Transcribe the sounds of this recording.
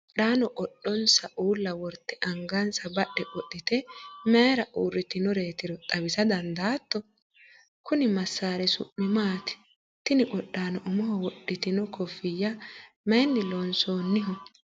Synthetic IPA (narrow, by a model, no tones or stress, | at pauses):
ɗaːnɔʔɔɗːɔnsɐʔuːlːɐwɔɾt̪ːɛʔɐŋɡɐnsɐbɐɗːɛʔɔɗːɪt̪ɛmeːɾɐʔuːrːɪt̪ɪnɔɾe̞ːt̪ɪɾɔt̪ʼɐbɪsɐd̪ɐnd̪aːt̪ːɔ | kʊnɪmɐsːaːɾɛsʊ̰ʔːɪmaːt̪ɪ̥ | t̪ːɪnɪʔɔɗːaːnɔʔʊmɔhɔwɔɗːɪt̪ɪnɔkɔfɪjːɐ | mɐjnːɪloːnsoːnːɪɦɔ